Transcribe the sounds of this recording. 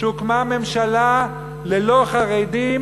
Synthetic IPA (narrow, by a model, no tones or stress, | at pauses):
ukmame̞mʃala | lelo̞χaʁed̪i